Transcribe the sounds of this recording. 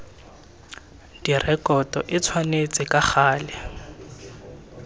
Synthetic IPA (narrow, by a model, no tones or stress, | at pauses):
d̥irɛkɔtʼɔʔɪt͡sʰwanet͡sʼɪkʼaχaːlɛ